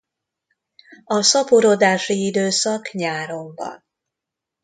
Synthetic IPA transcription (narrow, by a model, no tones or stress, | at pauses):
ɒsɒpoɾod̪aːʃiid̪øːsɒkɲaːɾo̞mbɒ̰n